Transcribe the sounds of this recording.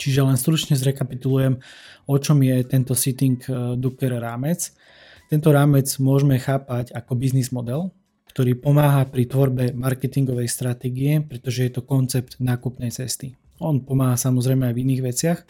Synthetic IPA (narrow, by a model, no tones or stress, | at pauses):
t͡ʃiʒɛlɛnst̪ɾut͡ʃɲɛzɾɛkapit̪ulujɛmɔt͡ʃɔmjɛt̪ɛnt̪ɔsit̪iŋkd̪ukɛɾɾaːmɛt͡s | t̪ɛnt̪ɔɾaːmɛd͡zmʊɔʒmɛxaːpaɟakɔbiznizmɔd̪ɛl | kt̪ɔɾiːpɔmaːɦapɾit̪ʋɔɾbɛmaɾkɛt̪iŋɡɔʋɛjst̪ɾat̪ɛːɡiɛpɾɛt̪ɔʒɛjɛt̪ɔkɔnt͡sɛp̚t̪naːkupnɛjt͡sɛst̪i | ɔnpɔmaːɦasamɔzɾɛjmɛajviniːɣʋɛt͡sɪax